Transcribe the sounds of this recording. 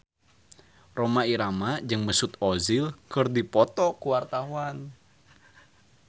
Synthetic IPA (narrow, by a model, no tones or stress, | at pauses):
romaiɾamad͡ʒɨŋməsut̪ɔzilkɨrdipɔt̪ɔkuwart̪auan